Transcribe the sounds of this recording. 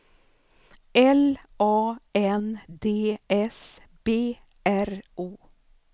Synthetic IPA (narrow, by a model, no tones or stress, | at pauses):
ɛl | ʔɑːɛnd̪eːʔɛs | b̥eː | ʔæɾʔuː